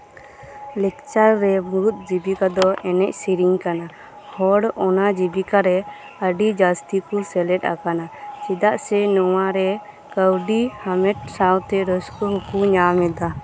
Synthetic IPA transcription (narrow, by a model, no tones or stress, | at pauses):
lɛk̚t͡ʃaɾːɛmuut̪̚d͡ʒibikad̪ɔʔɛnɛcsiɾiŋkana | hɔɽɔnad͡ʒibikaɾɛ | əɖid͡ʒast̪ikusɛlɛʈ̚a̰kanat͡ʃid̪aʔsɛnɔwaɾɛ | kəwɖihamɛʈ̚sawt̪ɛɾɔskɔɦɔkuɲamɛd̪a